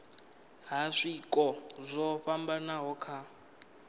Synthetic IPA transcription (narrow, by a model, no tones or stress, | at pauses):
ɦaʂikʼɔzʷɔɸambanaɦɔkʰa